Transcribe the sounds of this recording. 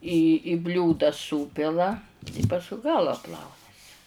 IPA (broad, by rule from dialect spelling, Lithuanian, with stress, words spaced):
iː ɪ ˈbʲlʲuːdɐ ˈsuːpʲɪlˠɐ ɪ pɐsˈkʊɪ ˈɡɑːlˠɐ ˈplˠɐʊnʲɛsʲɪ